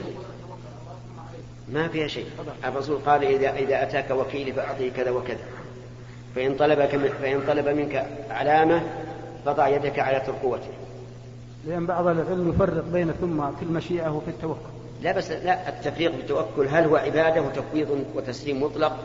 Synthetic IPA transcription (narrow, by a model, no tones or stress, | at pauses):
mafiːhaʃeːʔʔɑrˤːɑsuːlqɑːlʔɪðaʔɪðaʔat̪aːkawakiːlifaʔɑʕt̪ˤikaðawakaða̰ | faʔɪnt̪ˤɑlɑbakɪfaʔɪnt̪ˤɑlɑbamɪnkaʕalaːma | qɑt̪ˤɑʕjad̪akaʕalat̪ʊɾqʊwːat̪ɪ | lɪʔanːbɑʕðˤallʕɪlmjʊfɑrːɪqbeːnaθʊmːakɪlːmaʃiːʔawfit̪ːawakːʊl | labaslaʔɪt̪ːafɾiːqbɪt̪ːawakːʊlɦalhʊwaʕɪbaːd̪awɪt̪afwiːt̪ˤwɪt̪asliːmːʊt̪ˤlɑq̚